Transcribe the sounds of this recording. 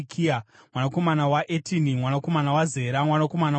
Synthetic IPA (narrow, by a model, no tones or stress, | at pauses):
kʰia | mwanako̞manawaʔetinimwanako̞manawaze̞ːɾamwanako̞mana